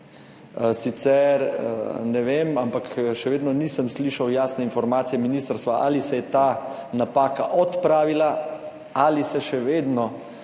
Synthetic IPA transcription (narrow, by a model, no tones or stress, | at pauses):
sit̪sɛɾnɛʋemampakʃɛʋeːd̪nɔniːsəmsliːʃawjaːsnɛinfɔɾmaːt̪sijɛminiːst̪ɾst̪ʋaʔa̰lisɛjɛt̪aːnapaːkaʔɔt̪pɾaːʋila | alisɛʃɛʋeːd̪nɔ